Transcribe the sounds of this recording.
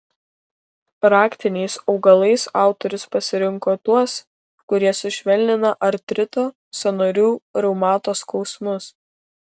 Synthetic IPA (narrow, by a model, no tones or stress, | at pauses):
pɾɑːkt̪ʲɪnʲɛɪsɒʊɡɐlˠɐɪsɑˑʊt̪ɔɾʲʊspɐsʲɪɾʲɪŋkoːt̪uɔs | kʊɾʲiɛsʊʃʲʋʲɛlʲnʲɪnɐʔɐɾt̪ʲɾʲɪt̪oː | sʲɛnoːɾʲuːɾɛʊmɑːt̪oːskɒʊsmʊs